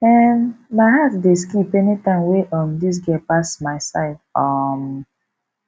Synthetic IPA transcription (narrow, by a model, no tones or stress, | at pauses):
ɛmmaɪɦatdeskipɛnitãɪmweʔɔmdis̬ɡɛpasmaɪsaɪdɔm